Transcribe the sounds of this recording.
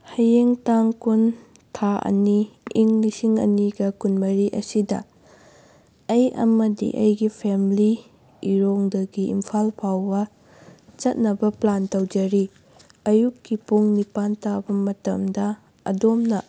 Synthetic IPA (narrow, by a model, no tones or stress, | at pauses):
hɐjeŋtaŋkun | tʰaʔɐ̰niːŋlisiŋɐ̰niɡɐkunmɐɾiʔɐsidɐ | ɐjɐ̰mɐdḭʔɐ̰jɡipʰemli | iɾoŋdɐɡiimpʰalpʰawbɐ | t͡ʃɐt̚nɐbɐplantɐwd͡ʒɐɾi | ɐjukːipuŋnipantabɐmɐtɐmdɐ | ɐ̰domnɐ